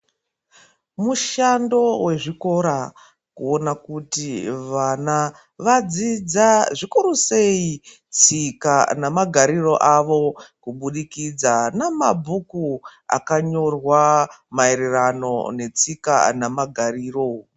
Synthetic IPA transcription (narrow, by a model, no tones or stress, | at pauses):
muʃando̞we̞ʐiko̞ɾa | kuo̞nakutiʋana | ʋad͡zid͡zaʐikuɾuse̞i | t͡sikanamaɡʱaɾiro̞̰ʔaʋo̞kuɓuɗikid͡zanamabʱukua̰kaɲo̞rwamaeɾerano̞̰ne̞t͡sika̰namaɡʱariːro